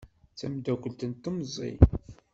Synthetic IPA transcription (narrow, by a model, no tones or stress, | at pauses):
t͡sæmd̪ækʷəlt̪ənt̪ːəmzˤːḭ